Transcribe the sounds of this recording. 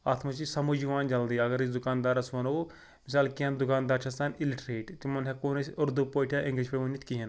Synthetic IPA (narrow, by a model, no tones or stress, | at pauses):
aːt̪ʰmɐt͡ʃisɐmud͡ʒiʋaːnd͡ʒɐld̪iːɐɡɐɾisd̪ukaːnd̪aːɾɐsʋɐno | misaːlkiɦɐnd̪ukaːnd̪aːɾt͡ʃʰɐsaniliʈɾeːʈt̪imɐnɦɐkoːnɐsʲɐɾd̪upoːʈʰʲjaʔĩŋɡliʃpɐʋɐnːit̪ʲkiɦɐn